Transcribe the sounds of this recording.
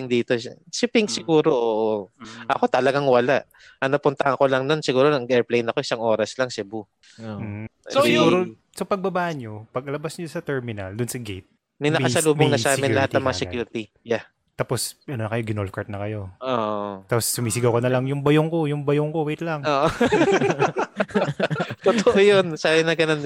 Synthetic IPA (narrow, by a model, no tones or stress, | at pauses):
ɪŋd̪iːt̪osɪpɪŋsɪɡuːɾo̞ʔoːʔoʔɐko̞t̪ɐlɐɡaŋwɐlaʔ | ʔɐnɐpʊnt̪ɐhɐŋko̞lɐŋnonsɪɡuːɾonɐŋʔɛɹplejnɐkoʔɪsaŋʔo̞ːɾɐslɐŋsɛbu | m̩ːh̩ | sosɡɡuːɾo | sopɐɡ̚bɐbaːʔɐnɲopɐɡ̚ɐlɐbasɲosɐt̪ɛɹmɪnɐ̰ld̪ʊnsɐɡejt̪̚ | mɐjnɐkkɐsɐluːmboŋnɐsaːmɪnlɐhat̪nɐŋmɐŋasɛkjuːɾɪt̪i | ja | t̪aːpo̞sʔɐnonɐkɐjoɡɪnolfkɐɹt̪̚nɐkɐjo̞ʔoʔt̪aːposːʊmiːsɪɡɐwkɐnɐlɐŋjʊŋbɐjoŋko̞jʊŋbɐjoŋkowejt̪̚lɐŋoʔ | t̪ot̪oʔojonsaːbɪnɐɡɐnon